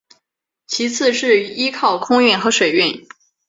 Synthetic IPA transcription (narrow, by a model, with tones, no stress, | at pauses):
t͡ɕʰi˧˥t͡sʰɹ̩˥˧ʂɻ̩˥˩˧i˥kʰɑ˥˩ʊkʰʊ˥ŋɥy˥˩nxɤ˧˥ʂwe˨˩ɪɥɛ˥˩n